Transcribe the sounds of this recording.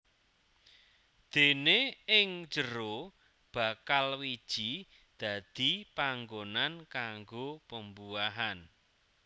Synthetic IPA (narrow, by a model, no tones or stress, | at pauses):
d̪̥e̤neɪŋ̥d͡ʒəɾo | b̥a̤kalwid̥ʒ̥i | d̪̥ä̤d̪̥ipaŋɡonankaŋɡopəmbuaɦan